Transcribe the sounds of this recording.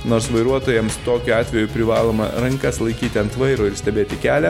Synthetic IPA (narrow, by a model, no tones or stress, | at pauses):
noːɾsʋɐɪɾuɔt̪oːjɛmst̪oːkʲuɑːt̪ʲʋʲɛjʊpʲɾʲɪʋɑːlˠoːmɐ̰ɾɐŋkɐslˠɐɪkʲiːt̪ʲɪɐnt̪ʋɐɪɾoːɪɾsʲt̪ʲɛbʲeːt̪ʲɪkʲæːlʲɛ